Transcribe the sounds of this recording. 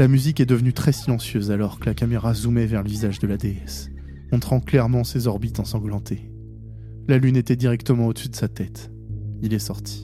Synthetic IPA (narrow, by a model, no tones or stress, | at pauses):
lamyzikɛd̪əvnyt̪χɛsilɑ̃sjøzalɔʁkəlakameʁazumɛvɛʁləvizaʒd̪əlad̪eɛs | mɔ̃t̪χɑ̃klɛʁmɑ̃sezɔʁbit̪ɑ̃sɑ̃ɡlɑ̃t̪e | lalynet̪ɛd̪iʁɛkt̪əmɑ̃od̪əsyd̪əsat̪ɛt̪ | ilɛsɔʁt̪ʰi̥